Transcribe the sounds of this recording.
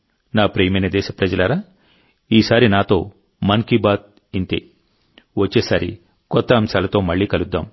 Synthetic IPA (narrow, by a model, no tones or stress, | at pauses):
naːpɾeːmɐjnɐd̪ɛːʃɐpɾɐd͡ʒɐlaːɾaː | iːsaːɾinaːt̪o̞ː | mɐŋkibaːt̪̚ | int̪ḛː | ʋɐt͡ʃːeːsaːɾi | kɔt̪ːɐːmsaːlɐt̪o̞ːmɐɭːiːkɐlud̪ːaːm